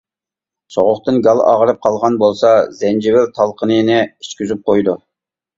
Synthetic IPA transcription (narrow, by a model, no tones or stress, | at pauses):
soʁʊχt̪ɨnɡɑlˠɑ̰ʁəɾɨp̚qʰɑlˠʁɑnbolˠsɑzɛnd͡ʒɪwɪlt̪ʰɑlˠqʰənɨnɪiʃkʲyzyp̚qʰojd̪u